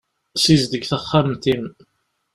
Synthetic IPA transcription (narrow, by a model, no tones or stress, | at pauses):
sizd̪əɡθæχːamt̪in